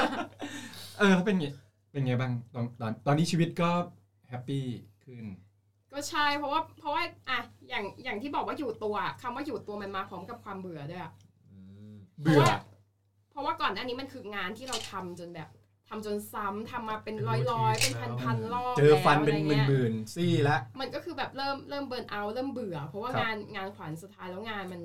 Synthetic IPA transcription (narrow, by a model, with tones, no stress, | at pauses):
ʔɤː˧t̪ʰaː˥˩pe˧nŋa˧˩ | pe˧nŋa˧jbaː˥˩ŋt̪ɔː˧nt̪ɔː˧nt̪ɔː˧nːiː˦˥t͡ɕʰiː˧wi˦˥t̪̚kɔː˥˩ | hɛ˦˥pːiː˥˩kʰɯ˥˩n | kɔː˥˩t͡ɕʰa˥˩jpʰɾɔ˦˥waː˥˩pʰɔ˦˥waː˥˩ʔa˧˩jaː˨˩ŋjaː˨˩ŋt̪ʰiː˥˩bɔː˨˩kwaː˥˩juː˨˩t̪u˧ɐʔa˨˩kʰa˧mwaː˥˩juː˨˩t̪ːu˧ɐma˧nmaː˧pʰɾɔː˦˥mka˨˩p̚kʰwaː˧mbɯ˨˩˦ɐdu˥˩ja˨˩ʔɯː˨˧bɯ˨˩ɐ | pʰɾɔ˦˥waː˥˩kɔː˨˩nːaː˥˩niː˦˥ma˧nkʰɯː˧ŋaː˧nt̪ʰiː˥˩ɾa˧wt̪ʰa˧mt͡ɕo˧nbɛː˨˩p̚ | t̪ʰa˧mt͡ɕo˧nsa˦˥mt̪ʰa˧mːaː˧pe˧nɾɔː˦˥˩jlɔː˦˥jpe˧npʰa˧npʰa˧nlɔː˥˩t͡ɕɤː˧fa˧npe˧n˨mɯː˦˨˩mɯː˨˩nsiː˥˩lɛ˦˥ʔma˧˦ənkɔː˥˩kʰɯː˧bɛː˨˩p̚ɾɤː˥˩mɾɤː˥˩mbɤː˧nʔa˧wɾɤː˥˩mbɯ˨˩ɐpʰɔ˦˥waː˥˩ŋaː˧nŋaː˧nkʰwa˩˦nsu˨˩t̪ʰːaː˦jlɛː˦˥wŋaː˧nma˧n